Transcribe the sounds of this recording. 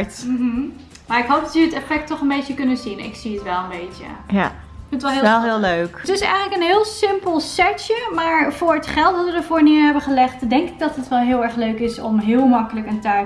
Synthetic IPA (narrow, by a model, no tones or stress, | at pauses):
tm̩ | maːɹɪkɦowp̚dɑtəətɛfɛk̚tɔχənbejtjəkɵnəzinɪ̰ksiətʋɛlˠənbejtjə̰j | fɪnətʋɔɪɛlˠɦɪːlˠløːktɪsɛ̰jənləkənɦɪəlˠsɪmpəlˠsɛtəmaːɹv̥ʊːɹətχɛlˠtɑtʋədəɹvʊːɹniəɹɦɛbəχəlɛχtdɛŋkɪɡ̚dɑtɦətʋɛlˠɦɪːlˠɛɹχløɥkɪsɔ̰mɦɪːəlˠmɑkələkəntɛ